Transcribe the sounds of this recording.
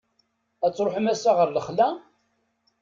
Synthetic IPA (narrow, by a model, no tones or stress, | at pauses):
æt͡sːɾoħəmæsaʁəɾləχlæ